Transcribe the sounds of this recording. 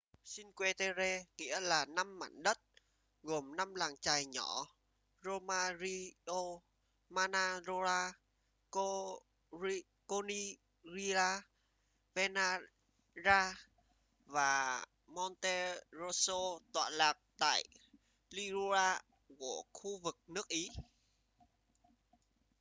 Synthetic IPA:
si˧nkwe˧t̪e˧ze˧ŋḭ˧˥əlaː˨˩na˧mːa̰ː˧˩˨nɗə˦˥t̚ | ɣo˨˩mna˧mlaː˨˩ŋt͡ɕaː˨˩jɲɔ˧˩˦ | zo˧maː˧zi˧ʔo˧ | maː˧naː˧zo˧laː˧ | k | ko˧ni˧ | ɣi˧laː˧ | ve˧naː˧ | zaː˧ | vaː˨˩ | mɔ˧nt̪e˧zo˧so˧t̪wa̰ː˧˨nlaː˨˩k̚t̪a̰ː˧˨j | li˧zu˧zaː˧ | ku˧˩əxu˧vɨ˨˩k̚nɨ˦˥ək̚ʔi˨˦

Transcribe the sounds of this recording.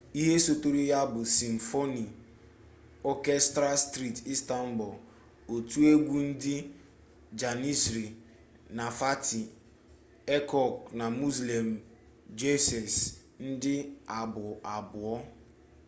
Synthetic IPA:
i˦ɦe˦so˦to˦ɾi˦ja˦bʊ˨si˨m̩˨fo˦ni˨ | ɔ˦kɛ˦stɾa˦stɾi˦˨ti˦sta˦m̩˦bʊ˨l | o˨tu˦e˦ɡʷu˦n̩˦dɪ˦ | d͡ʒa˨ni˦sɾi˨ | na˨fa˦ti˨ | e˦kɔ˨kna˨mu˦zle˨m̩˨ | d͡ʒe˦sɛ˨s | n̩˦dɪ˦a˨bʊ˨a˨bʊ˨ɔ˦

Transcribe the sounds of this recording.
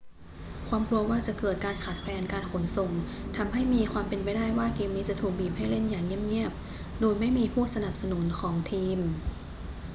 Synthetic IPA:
kʰwaː˧mkɾu˧ɐwaː˥˩t͡ɕa˨˩kɤː˨˩t̪̚kaː˧nkʰaː˨˩t̪̚pʰlɛː˧nkaː˧nkʰo˩˦nso˨˩ŋ | t̪ʰa˧mɦa˥˩jmiː˧kʰwaː˧mpe˧npa˧jdaː˥˩jwaː˥˩kiː˧miː˧t͡ɕa˧˥t̪ʰuː˨˩k̚biː˨˩p̚ha˥jle˥˩njaː˨˩ŋːi˥˩əm̚ŋi˥˩əp̚ | doː˧jma˥˩jmiː˧pʰuː˥˩sa˧na˨˩p̚sa˧nu˩˦nkʰɔː˩˦ŋt̪ʰiː˧m

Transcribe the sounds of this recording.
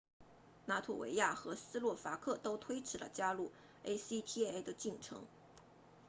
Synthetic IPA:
na˧˥t̪ʰṵ˥˩wḛ˧˥ɪja˥˩xɤ˧˥sɹ̩˥lwɔ˥˩fa˧˥kʰɤ˥˩t̪o˥ʊt̪ʰwe˥ɪʈ͡ʂʰɻ̩˧˥lə̰˧t͡ɕja˥lu˥˩ | e˥ɪsi˥t̪ʰi˥e˥ɪd̪ə˧t͡ɕi˥˩ŋʈ͡ʂʰɤ̰˧˥ŋ

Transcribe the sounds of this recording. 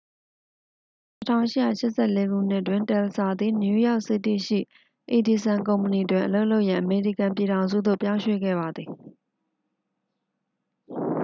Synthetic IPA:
tətʰã̰˦˨ʊ̃ʃɪ˦˨ja̰˦˨ʃɪ˦ʔsɛ˦˨le˦ɡṵ˦˨n̥ɪ˦ʔtwɪ̃˨ntɛ˨lsa˨d̪ði˦˨nju˦ja˦ʊʔsɪ˦˨tːḭ˦˨ʃḭ˦˨ | ʔe˨di˨sã˨ŋkõ˨ʊ̃mpə˨ni˨ədwɪ̃˨ʔəlo˦ʊʔlo˦ʊʔjã˨ʔəme˨ɹḭ˦˨kã˨mp̬ji˨ɾã˨ʊ̃zṵ˦˨d̪o̰˦˨pjã˦ʊ̃ɕwḛ˦˨ɡɛ̰˦˨ba˨d̪ði˨

